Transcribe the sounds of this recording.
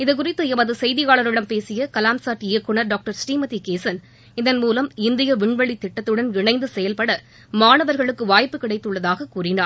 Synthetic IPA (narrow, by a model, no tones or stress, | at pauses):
ɪðɯkʊrɪt̪ːɯɛbɐðɯsɛjðɪɣaːɭɐɾɪɽɐmpeːsɪjɐkɐlaːmsaːʈɪjɐkːɯɳɐɾɖaːk̚ʈɐɾsʈiːmɐt̪ːikeːsɐn | ɪðɐnmuːlɐmɪnd̪ɪjɐʋɪɳʋɐɭit̪ːɪʈːɐt̪ːɯɽɐnɪɳɐɪnd̪ɯsɛjɐlpɐɽɐ | maːnɐʋɐɾɣɐɭɯkːɯʋaːjpːɯkɪɽɐɪt̪ːɯɭːɐðaːɣɐkuːrɪnaːɾ